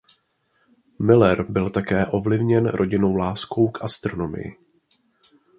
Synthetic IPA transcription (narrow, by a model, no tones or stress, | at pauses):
mɪlɛɾbɪlt̪akɛːʔo̞vlɪvɲɛnɾʔo̞ɟɪno̞wlaːsko̞wkʔast̪ɾo̞no̞mɪ̰jɪ̰